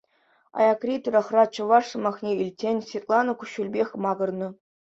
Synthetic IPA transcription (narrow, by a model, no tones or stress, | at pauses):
ɑ̰jɑkrʲit̪̆rʲɤ̆χrɑt͡ɕɤ̆ʋɑʂsɤ̆mɑχnʲeilʲtʲːenʲsʲvʲet̪lˠɑnŏkuɕːulʲbʲexʲmɑɡɤ̆rnɤ̆